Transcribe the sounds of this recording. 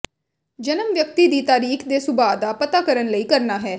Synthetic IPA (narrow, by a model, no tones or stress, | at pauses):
d͡ʒənəmʋjəkt̪iːd̪iːt̪aːɾiːkʰd̪eːsʊbaːd̪aːpət̪aːkəɾənləiːkəɾnaːɦɛː